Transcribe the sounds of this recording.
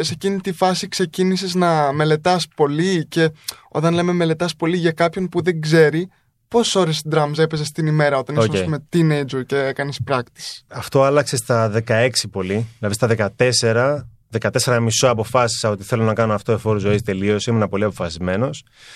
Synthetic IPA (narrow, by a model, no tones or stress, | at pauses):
se̞cinit̪ifɐsikse̞ciniseznɐme̞le̞t̪ɐspo̞lice̞o̞̰t̪ɐnle̞me̞me̞le̞t̪ɐspo̞liʝɐkɐpço̞npuðe̞ŋɡze̞ɾi | po̞sso̞ɾesd̪ɾɐmze̞pe̞sest̪inime̞ɾɐo̞t̪ɐneosɐesume̞t̪inejd͡ʒoɾce̞ekɐnespɾɐkt̪i̥sɐft̪o̞ɐlɐkse̞st̪ɐðe̞kɐe̞ksipo̞liðilɐðist̪ɐðekɐt̪e̞se̞ɾɐ | ðe̞kɐt̪e̞se̞ɾɐmisoɐpo̞fɐsi̥sɐo̞t̪iθe̞lonɐkɐnoɐft̪oefo̞ɾuzo̞ist̪e̞lio̞siimenɐpo̞liɐpo̞fɐsizme̞no̞s